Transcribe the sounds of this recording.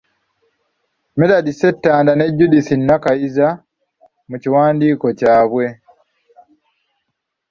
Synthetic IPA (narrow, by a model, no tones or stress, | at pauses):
meladise̞tːaːndane̞ɟːudisinːakajiza | muciwaːndiːko̞caːβwe̞